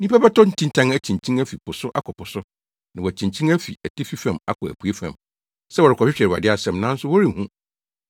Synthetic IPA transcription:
nĩ˦pa˦bɛ˦tɔ̃˦n̩˨tʰĩ˦ntʰã˦ŋæ˦t͡ɕʰĩ˨ɲ˨t͡ɕʰĩ˦ŋæ˦fi˨pʊ˨sʊ˦ʔa˦kʰɔ˨pʰʊ˨sʊ˦ | nã˨wɔ˨æ˨t͡ɕʰĩ˨t͡ɕʰĩ˦ŋæ˦fi˨æ˨tʰi˦fi˦fã˨ma̰˦kʰʊ˨æ̰˨pʰu˨e˦fã̰˨m | sɛ˦wɔ˨ɾɪ˨kʰɔ˨ɕᶣɪ˦ɕᶣɛ˨a̰˨dɪ˦a˨sɛ̃˨mnã˦n̩˦sʊ˦wɔ˦ɾi˨hũ˦

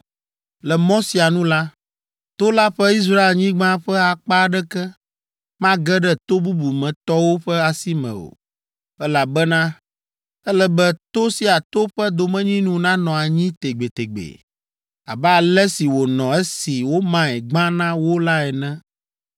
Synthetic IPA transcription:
lɛ˨mɔ̃˦si˨a˨nũ˦la˦ | t̪o˦la˦ɸɛ˦i˦s̬ɾa˦e˨lɲĩ˦ɡ͡bã˦ɸɛ˦a˨k͡pa˦ɖɛ˦kɛ˦ | mã˦ɡɛ˦ɖɛ˦t̪o˦bu˦bu˨mɛ̃˨t̪ɔ˦wo˦ɸɛ˦a˨si˦mɛ̰̃˨o̰˨ | ɛ˦la˨bɛ˦nã˦ | ɛ˦lɛ˦bɛ˦t̪o˦si˦a˨t̪o˦ɸɛ˦d̪o˨mɛ̃˦ɲĩ˦nũ˦nã˦nɔ̃˨a˨ɲĩ˦t̪e˨ɡ͡be˨t̪e˨ɡ͡bḛ˨ | a̰˨bɛ˦a˨lɛ˦si˨wo˨nɔ̃˨ɛ˦si˨wo˦mã˦ɛ˨ɡ͡bã˦nã˦wo˦la˦ɛ˨nɛ̃˦

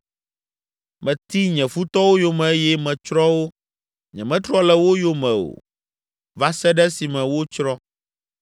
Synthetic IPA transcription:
mɛ̃˨t̪i˦ɲɛ̃˨fu˦t̪ɔ˦wo˦jo˨mɛ̃˨e˦jɛ˦mɛ̃˨t͡ʃɾɔ˦wo˦ | ɲɛ̰̃˨mɛ̃˦t̪ɾɔ˦lɛ˦wo˦jo˨mɛ̃˨o̰˨ | va˦sɛ˦ɖɛ˦si˨mɛ̃˨wo˦t͡ʃɾɔ˦

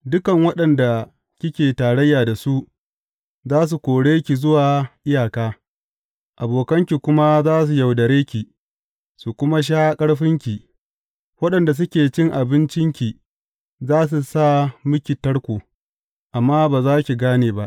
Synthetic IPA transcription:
dʊ˦kɐ˨ŋwɐ˦ɗɐ˨nda˨ | kʲɪ˦kʲeː˨taː˨ɽɐ˦jːaː˨da˨su˦ʔ | zaː˦s̬u˨kʷoː˨ɽeː˦kʲi˨zʊ˦waː˨ʔɪ˦jaː˨kaː˦ | ʔa˨boː˨kɐ˦ŋkʲi˨kʷʊ˦ma˦zaː˦s̬u˨ja˨wdɐ˨ɾeː˦kʲi˨ | su˨kʷʊ˦ma˦ʃ̬aː˦kʼɐ˦ɽɸɪ˦ŋkʲi˨ | wɐ˦ɗɐ˨nda˨s̬ʊ˦kʲeː˨t͡ʃɪ˦ŋʔa˨bɪ˦nt͡ʃɪ˦ŋkʲi˨ | zaː˦s̬u˨sa˦mʊ˦kʲi˨tɐ˦ɽkʷoː˨ | ʔa˨mːaː˦baː˨zaː˦kʲi˨ɡaː˦neː˨ba˦ʔ

